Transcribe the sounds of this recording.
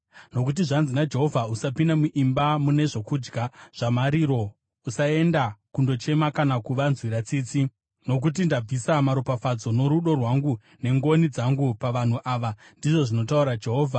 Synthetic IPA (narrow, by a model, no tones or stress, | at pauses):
no̞k̬ut̬iʐanzinad͡ʒe̞ɦo̞vʱausapindamuʔimbamune̞ʐo̞kud͡ʒɡʱaʐ̥amaɾiɾo̞ | usae̞ndakundo̞t͡ʃe̞makanakuʋanzwiɾat͡siːt͡si | no̞k̬utindab͡visamaɾupafad͡zo̞no̞ɾuɗo̞rwaŋɡu | ne̞ŋɡo̞nid͡zaŋɡupaʋan̤uʔaːʋandiʐo̞ʐino̞tauɾad͡ʒe̞ɦoːvʱa